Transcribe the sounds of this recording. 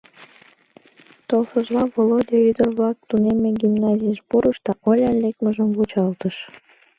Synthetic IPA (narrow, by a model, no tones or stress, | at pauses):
t̪olfəʒlɑvolod̪ʲeyd̪ərβlɑk̚t̪unemeɡʲimnɑzʲijəʃpuɾəʃd̪ɑʔolʲɑnlek̚məʒəmvut͡ɕɑlt̪əʃ